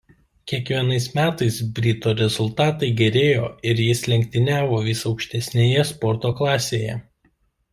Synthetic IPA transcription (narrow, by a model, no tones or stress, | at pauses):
kʲiɛkʋʲiɛnɐɪsmʲæːt̪ɐɪsbʲɾʲɪt̪oːɾʲɛzʊlˠt̪ɑːt̪ɐɪɡʲɛɾʲeːjoːɪɾjɪslʲɛŋʲk̚ʲt̪ʲɪnʲæːʋoːʋʲɪsɒʊkʃʲt̪ʲɛsʲnʲeːjɛspɔɾt̪oːklˠɑːsʲeːjɛ